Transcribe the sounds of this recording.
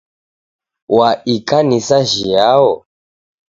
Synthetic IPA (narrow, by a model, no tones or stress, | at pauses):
waikʼanisaʒijaɔ